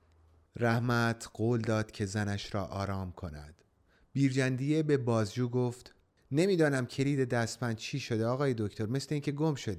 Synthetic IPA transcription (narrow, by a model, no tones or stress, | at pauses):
ɾæhmæt̪ʰɢ̥oːld̪ɒːd̪̥cʰe̞zænæʃɾɒːʔɒːɾɒːmkʰo̞næ̰d̪̥ | b̥iːɾd͡ʒænd̪ijebe̞bɒːzd͡ʒuːɡo̞ft̪ | ne̞miːd̪ɒːnæmcʰe̞ɾiːd̪e̞d̪æst̪mænt͡ʃʰiːʃo̞d̪eɒːɣɒːje̞d̪o̞cʰt̪ʰo̞ɾme̞sle̞iːŋcʰe̞ɡo̞mʃo̞d̪